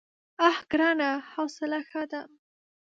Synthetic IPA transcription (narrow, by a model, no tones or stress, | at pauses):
ahɡɾɑnahɑwsɪlaxad̪am